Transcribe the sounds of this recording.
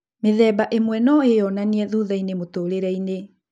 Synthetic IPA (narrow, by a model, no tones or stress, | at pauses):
meðɛbaʔemwɛnɔejɔnaniɛðuðainemotoɾeɾɛine